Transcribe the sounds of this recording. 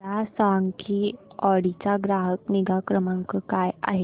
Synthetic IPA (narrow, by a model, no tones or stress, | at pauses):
asaŋkʰiɔɽit͡saɡɾaɦəkniɡakɾəmãŋkəkaja̰ɦe